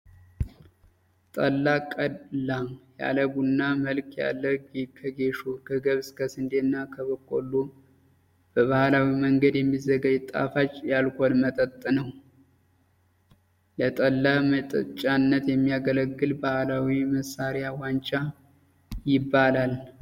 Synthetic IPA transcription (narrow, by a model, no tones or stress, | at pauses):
t̪ʼəlːakʼəlːaja̰ləɡunːaməlkʰja̰lːəɡkʰəɡe̞ʃokʰəɡəβskʰəsɨnd̪enːakʰəβəkʼːo̰lːu | b̥əβahlawiməŋɡəd̪jɛmːizəɡad͡ʒt̪ʼa̰fat͡ʃʼːjalkʰʷonmət̪ʼət̪ʼːnəw | lət̪ʼəlːamət̪ʼət͡ʃʼːanːət̪jɛmːijaɡələɡːɨlbahlawiməsːaɾɪjawant͡ʃʼa | jɪbːalal